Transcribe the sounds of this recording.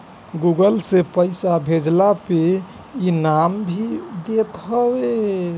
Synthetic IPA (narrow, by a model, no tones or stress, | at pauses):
ɡuɡəlsepəɪsabʱed͡ʒlape | inambʱid̪et̪ɦəwe